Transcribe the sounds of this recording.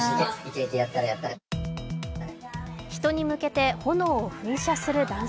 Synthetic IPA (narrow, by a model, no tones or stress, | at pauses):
ieit̪eit̪ejat̪ːaɾajat̪ːaɾ | çi̥t̪o̞ɲ̟imɯ̟ke̞t̪e̞ho̞no̞ːɸɯ̟̃ɰ̃ɕasɨɾɯ̟d̪ãñ